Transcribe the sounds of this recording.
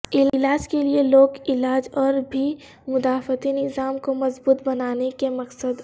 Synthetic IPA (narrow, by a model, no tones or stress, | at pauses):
ɪlaːd͡ʒkelieloːkɪlaːd͡ʒɔːɾbʱi | mʊd̪aːfət̪inɪzaːmkomɐzbuːt̪bɐnaːnekemɐqsəd̪